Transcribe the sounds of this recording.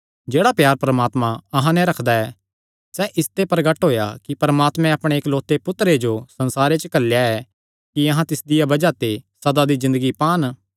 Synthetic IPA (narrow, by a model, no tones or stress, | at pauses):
d͡ʒeːɽapjaːɾpɾəmaːt̪mãɐɦãnɛ̃ɾɐkʰd̪aɛː | sɛʔɪst̪epɐɾɡəʈɦoːja̰kipɐɾəmaːt̪mɛ̃ɐpɽ̃eeːkloːt̪epʊt̪ɾed͡ʒosɐ̃nsaːɾet͡ʃəkɐljaɛ | kiɐɦãt̪ɪsd̪ɪjabɐd͡ʒat̪esɐd̪ad̪izɪ̃nd̪əɡipaːn